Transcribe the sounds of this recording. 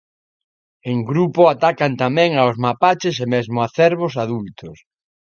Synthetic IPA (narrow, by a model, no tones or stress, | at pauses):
eŋɡɾupoat̪akant̪amɛ̃ŋaozmapat͡ʃɪsemezmʊaθɛɾβosaðult̪ʊs